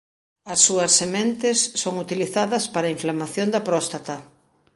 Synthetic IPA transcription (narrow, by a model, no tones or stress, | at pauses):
ɐsːuɐsːemẽnt̪esːoŋut̪iliθaðɐspaɾaiɱflamaθjond̪ɐpɾɔst̪at̪ɐ